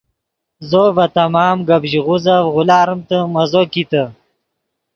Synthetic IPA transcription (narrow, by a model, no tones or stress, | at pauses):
zovɐt̪ɐmɑːmɡɐbʑiʁuzawʁulaːɾəmt̪əmɐzokit̪ə